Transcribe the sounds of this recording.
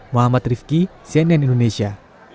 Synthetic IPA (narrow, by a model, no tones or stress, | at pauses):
muɦamat̪rifkisiɛnɛnindonesia